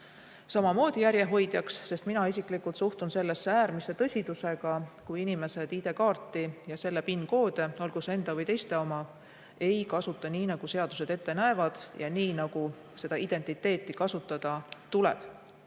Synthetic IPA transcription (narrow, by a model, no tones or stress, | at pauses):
sɑmɑmo̞ːd̪̥ijæɾje̞ɦo̞jd̪̥jɑksːe̞st̪minɑisiklikːˑult̪suht̪unse̞lːe̞sːeæːɾmise̞t̪ɤ̞sʲid̪use̞ɡ̥ɑkujinime̞se̞d̪iːd̪e̞kɑːrt̪ːˑijɑse̞lːe̞pinːko̞ːd̪e̞o̞lɡ̥use̞nd̪̥ɑvɤjt̪e̞jst̪e̞o̞mɑ | e̞jkɑsut̪ːˑɑniːnɑɡ̥use̞ɑd̪̥use̞d̪e̞t̪ːenæevɑd̪̥jɑniːnɑɡ̥u | se̞d̪̥ɑid̪e̞nt̪ːˑit̪ːˑe̞ːt̪ːˑikɑsut̪ːˑɑd̪̥ɑt̪ulḛb̥